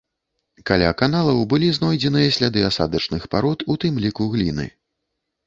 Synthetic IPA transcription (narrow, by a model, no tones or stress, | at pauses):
kalʲa̰kanalˠɐwbɨlʲiznɔjd͡zʲɛnɨjɐsʲlʲad̪ɨasa̰d̪ɐt͡ʂnɨxpaɾɔt̪ut̪ɨmlʲikuɣlʲinɨ̰